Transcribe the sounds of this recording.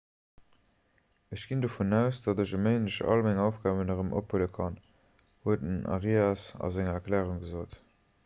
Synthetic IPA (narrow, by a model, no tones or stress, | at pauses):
əɕɡ̥indofunæʊsd̥ɑdəʑəmeɪnəʃɑ̰lmæŋɑʊfɡ̥aːbənəʁəmʔo̰phuləkʰɑn | huətənɑ̰ʁiɑsɑ̰zæŋɐɐklɛːʁuŋɡəzoːt